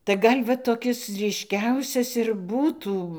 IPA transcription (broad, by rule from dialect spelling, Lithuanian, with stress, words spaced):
tɐɪ ˈɡɐlʲ ʋɐ toːˈkʲɪs ˈrʲiːʃʲkʲɛʊsʲɛs ɪr ˈbuːtuː